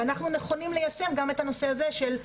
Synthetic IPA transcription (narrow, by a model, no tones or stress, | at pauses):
anaχnuneχo̞nimlejase̞mɡame̞t̪ano̞se̞aze̞ʃel